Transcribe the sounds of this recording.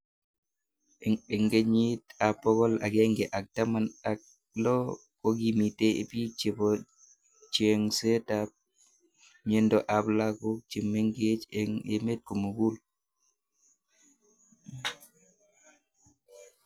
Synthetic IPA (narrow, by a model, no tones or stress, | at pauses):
ɛɛŋɡeɲitapːɔɡɔla̰ɡeŋɡɛʔak̚tamanak̚ | lɔ | koɡimitɛ̰pit͡ʃebɔ | t͡ʃeŋsɛtap̚ | ɲendɔʔablakut͡ʃimːeŋɡet͡ʃeŋemet̚kumuɡul